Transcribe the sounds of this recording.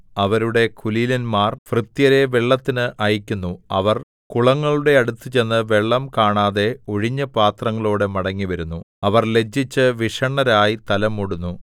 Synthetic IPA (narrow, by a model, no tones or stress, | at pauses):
ɐʋɐɾuɽe̞kʰulilɐnmaːrfrɨt̪jɐɾe̞ʋeɭːɐt̪ːinɨʔɐjikʲːunːuɐ̰ʋɐr | kuɭɐŋːɐɭuɽe̞ɐɽut̪ːɨt͡ɕe̞nːɨʋe̞ɭːɐmkaːɳaːðe̞o̞ɻiɲːɐpaːt̪rɐŋːɐɭoːɽemɐɽɐŋːiʋɐɾunːu | ɐʋɐrle̞d͡ʑːit͡ɕːɨʋiʂɐɳːɐɾaːjit̪ɐlɐmːuɽunːu